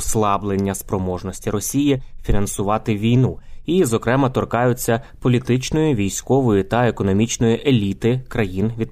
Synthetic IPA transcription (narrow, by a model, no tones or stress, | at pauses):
slˠɑblˠenʲːɐspɾɔmɔʒnɔsʲtʲiɾɔsʲijifʲinɐnsʊʋɑt̪ɪʋʲijnuizɔkɾɛmɐt̪ɔrkɑjʊt͡sʲːɐpɔlʲit̪ɪt͡ʃnɔjiʋʲijsʲkɔʋɔjʊt̪ɐekɔnɔmʲit͡ʃnɔjiʔelʲit̪ɪkɾɐjinʋʲid̪